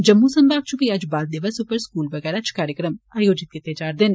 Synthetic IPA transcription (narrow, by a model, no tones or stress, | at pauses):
d͡ʒɐmːusɐmbaːk̚t͡ʃʰʊkiɐd͡ʒbaːl̚d̪ɪʋəsʊpəɾskuːlʋɐɣɛːɾɐt͡ʃʰkaːɾjəkɾəmaːjoːd͡ʒɪt̪̚kɪt̪ed͡ʒaːɾd̪ɪn